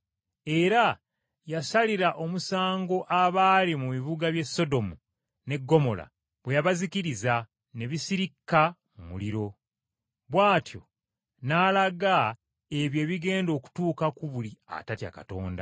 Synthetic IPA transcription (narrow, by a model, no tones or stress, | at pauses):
e̞ɾa | jasaliɾaʔo̞musaːŋɡo̞ʔaβaːlimuβiβuɡaβje̞so̞do̞mu | ne̞ɡːo̞mo̞la̰ | βwe̞jaβazikiɾiza | ne̞βisiɾikːa | mṵliɾo̞ | βwaːtʰjo̞̰ | naːlaɡa | e̞βje̞ːβiɡe̞ːndo̞ːku̥tuːkakuβulia̰tatja̰ka̰to̞̰ːnda̰